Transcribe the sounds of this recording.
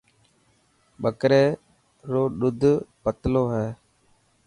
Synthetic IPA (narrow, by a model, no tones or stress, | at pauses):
ɓəkɾeː | ɾoːɗʊd̪ʱpət̪loːɦɛː